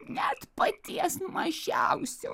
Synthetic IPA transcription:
nʲɛt̪pɐt̪ʲiɛsmɐʒʲæʊsʲɛ

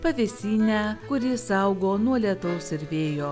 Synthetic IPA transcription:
pɐʋʲesʲiːnʲækʊɾʲɪsɐʊɡoːnuɔlʲiɛt̪ɐʊsɪɾʋʲeːjoː

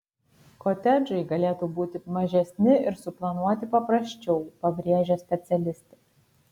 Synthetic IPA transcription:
kot̪ʲɛd͡ʒɐɪɡɐlʲeːt̪uːbuːt̪ʲɪmɐʒʲɛsʲnʲɪʔɪɾsʊplˠɐnuɔt̪ʲɪpɐpɾɐsʲt͡ʃʲɛʊpɐbʲɾʲiɛʒʲɛːsʲpʲɛt̪sʲɛlʲɪsʲt̪ʲɛ

